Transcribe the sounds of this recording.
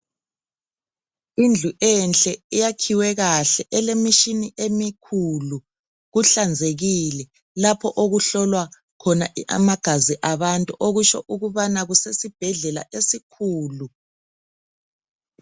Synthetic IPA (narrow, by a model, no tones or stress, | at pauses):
ind͡ɮʱuʔɛnt͡ɬʼɛijakʰiwɛɣaɬɛʔɛlemiʃiniʔemikʰulu | ɣuɬand͡zʱeɣilɛ | lapʰɔʔoɣuɬɔlwa | kʰɔnaa̰maɡ̥ʱaziʔaβantʼuʔoɣut͡ʃɔ̰ʔuɣuβanaɣusesib̥ʱɛɮɛla̰ʔesikʰuːlu